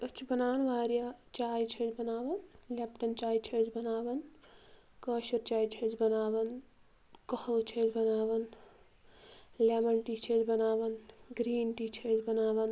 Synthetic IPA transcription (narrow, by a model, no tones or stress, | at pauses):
ɐt͡ʃʰbɐnaːnʋaːɾijat͡ʃaːjt͡ʃʰet͡ʃbɐnaːʋɐnlepʈɐnt͡ʃaːit͡ʃʰet͡ʃʰbɐnaːʋɐn | kəːʃɐɾt͡ʃaːjt͡ʃʰet͡ʃbɐnaːʋɐn | kɐhəwt͡ʃʰed͡ʒbɐnaːʋɐn | lemɐɳʈit͡ʃʰet͡ʃbɐnaːʋɐnɡɾiːnʈit͡ʃʰed͡ʒbɐnaːʋɐn